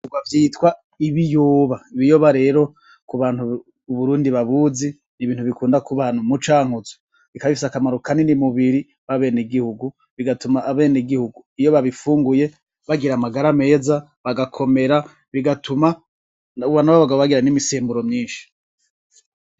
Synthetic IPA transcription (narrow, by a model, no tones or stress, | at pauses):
uɡwavjiːtwa | iβijoːβaiβijoːβaɾe̞ːɾo̞ | kuβaːn̥huː | βuɾuːndiβaβuzi | niβiːnhuβikuːndakuβaːn̥umut͡ʃaːŋuzo̥ | βikaβifisakamaɾukaninimuβiɾi | βaβe̞ːneɡihuɡu | βiɡatumaːβe̞ːniɡihuɡuijo̞βaβifuːŋɡuje̞ | βaɡiɾamaɡaɾame̞ːza | βaɡakʰo̞me̞ɾa | βiɡatʰuma | uβanaβaβaɡaβoβaɡiɾanimiseːmbuɾo̞mɲiːnʃi̥